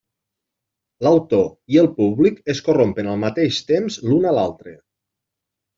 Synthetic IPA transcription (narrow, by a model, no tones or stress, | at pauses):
lawt̪oiəlˠpuβlikeskorompenalˠmat̪eʃt̪emzlunalalˠt̪ɾe